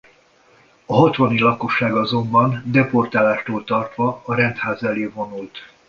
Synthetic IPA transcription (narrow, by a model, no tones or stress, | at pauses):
ɒɦɒt̪ʋɒnilɒko̞ʃːaːɡɒzo̞mbɒnd̪ɛpo̞rt̪aːlaːʃt̪oːlt̪ɒrt̪ʋɒːɾɛnt̪haːzɛleːvo̞nult̪